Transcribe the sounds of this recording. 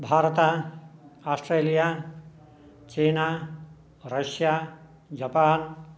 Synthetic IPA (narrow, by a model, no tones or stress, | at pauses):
bʱaːɾt̪a | aːsʈɾeːlija | t͡ʃeːnaː | ɾəʃjaː | d͡ʒapaːn